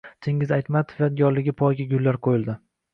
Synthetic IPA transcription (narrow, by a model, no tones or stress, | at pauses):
t̪ʰeŋʲɪzajt̪mat̪ʰɪ̥vat̪̚ɡɒɾlɪɡʲɪpʰɒjɡʲaɡʲʊlːaɾqʰojɪlˠd̪ɪ